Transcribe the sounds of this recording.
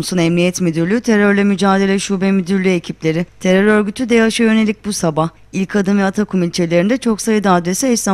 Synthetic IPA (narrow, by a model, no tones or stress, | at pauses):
msunɛmnijɛt̪myd̪yɾlʲyt̪ʰe̞ɾøɾlʲɛmyd͡ʒaːd̪e̞lʲɛʃuːbɛmyd̪yɾlʲye̞cʰiplʲe̞ɾɪt̪ʰe̞ɾøɾø̞ɾɟyt̪ʰyd̪ɛjaaʃajø̞ne̞lʲic̚busabah | ilʲcʰad̪ɯnvɛat̪ʰakʰumilʲt͡ʃʰe̞lʲe̞ɾind̪ɛt͡ʃʰo̞ksajɯd̪aːd̪ɾe̞sɛɛsa